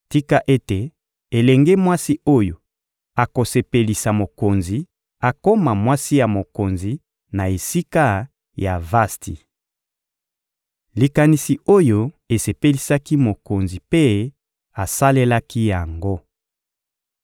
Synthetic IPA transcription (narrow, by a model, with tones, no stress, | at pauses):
ti˦ka˦ʔe˦te˨ | e˨lɛ˨ŋɡe˦mwa˦si˦o˦jo˨ | a˨ko˨se˨pe˨li˨sa˨mo˨ko˨nzi˨ | a˨ko˦ma˨mwa˦si˦ja˨mo˨ko˨nzi˨ | na˨e˨si˦ka˦ | ja˨va˦stḭ˨ | li˨ka˨ni˨si˨o˦jo˦ | e˨se˨pe˦li˨sa˦ki˦mo˨ko˨nzi˨pe˦ | a˨sa˦le˦la˦ki˦ja˨ŋɡo˦